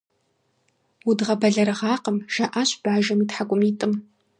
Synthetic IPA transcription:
wudʁɐbɐɮɐɾɨʁɑːqəmʒ̥ɐʔaːɕb̥aːʒɐmiːtħakʷʼʊmiːtʼɨm

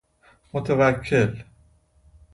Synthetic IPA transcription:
mot̪ʰevækʰːel

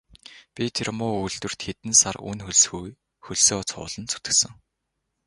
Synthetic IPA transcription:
pʲit̪ʰermʊːujɮt̪ɘ̆r̥t̪xet̪ɘ̆nsarṵnxɵɮsxuj | xɵɮsoːt͡sʰʊ̰ːɮə̆nt͡sʰu̥t̪ɘ̆ksə̆ŋ

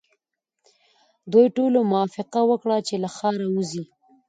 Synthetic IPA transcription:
d̪ojʈolomʊwɑfɪqawəkɽat͡ʃelaxɑɾauzi

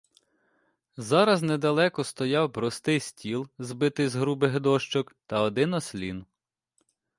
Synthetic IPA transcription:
zɑɾɐznɛd̪ɐlˠɛkɔst̪ɔjɑwpɾɔst̪ɪjsʲtʲilˠzbɪt̪ɪzɦɾubɪɦd̪ɔʃt͡ʃɔkt̪ɐɔd̪ɪnɔsʲlʲin

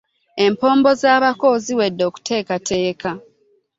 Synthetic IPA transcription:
e̞mpo̞ːmbo̞zaːβako̞ːziwe̞dːo̞ːku̥tʰe̞ːkate̞ːka

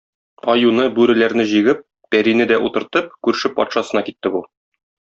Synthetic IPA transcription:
ɒjunɤbʉɾɘ̆læɾnɘʑiɡɘp̚ | bæɾinɘd̪æʔut̪ɤ̆ɾt̪ɤp̚kʉɾʃɘpːɒ̰t̪ʃɑsɤ̆nɑkit̪ːɘbu

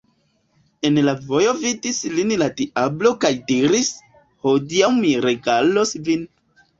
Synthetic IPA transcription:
e̞nlavo̞jo̞vidislinlatiʔablo̞kajdiɾis | ho̞diawmiɾe̞ɡalosvin

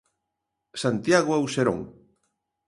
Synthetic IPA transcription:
sant̪jaɣoawseɾõ̰ŋ

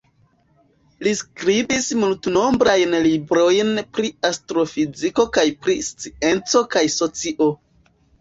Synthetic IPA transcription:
liskɾibismultno̞mbɾajnlibɾo̞jnpɾiastɾo̞fiziko̞kajpɾist͡sie̞nt͡so̞kajso̞t͡siʔo̞

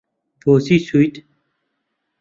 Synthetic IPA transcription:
poːsiːsujt̪

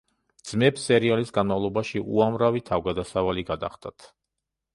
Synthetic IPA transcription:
d̪z̥mɛbsɛɾialisɡanmavlˠɔbaʃiʔṵamɾavit̪ʰavɡad̪asavaliɡad̪a̰χd̪ʼat̪ʰ

